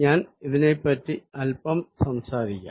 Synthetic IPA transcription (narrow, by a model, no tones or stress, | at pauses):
ɲaːniðinepːɐtːiɐlpɐmsɐmsaːɾikʲːa̰